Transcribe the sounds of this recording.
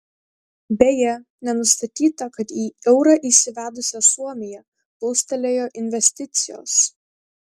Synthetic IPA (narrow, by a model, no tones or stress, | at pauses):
bʲejɛ | nʲɛnʊst̪ɐt̪ʲiːt̪ɐkɐt̪iːɛʊɾɐʔisʲɪʋʲæːd̪ʊsʲɛsuɔmʲɪjɛ | bɐʊst̪ɐlʲeːjoːʔɪnʲʋʲɛsʲt̪ʲɪt̪sʲɪjo̰ːs